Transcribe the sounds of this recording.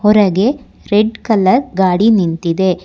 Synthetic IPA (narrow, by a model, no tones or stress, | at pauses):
ɦɔɾɐɡe̞ | ɾeɖkɐlɐɾɡaːɽinint̪id̪e̞